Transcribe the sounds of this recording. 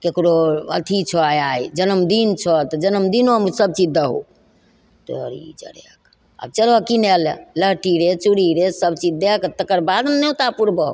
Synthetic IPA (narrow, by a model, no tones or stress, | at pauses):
kekɾoə̰t̪ʰit͡ʃʰɔajajd͡ʒənəmd̪int͡ʃʰɔt̪ɔd͡ʒənəmd̪inomusəb̚t͡ʃid͡ʒd̪əɦo̰ | t̪ɔəɾḭd͡ʒə̰ɽek | a̰b̚t͡ʃəlɔkinɛlḛləɦʈiɾet͡ʃuɾiɾesəb̚t͡ʃid͡ʒd̪ekt̪əkəɾbad̪mneut̪apuɾbəɦo̰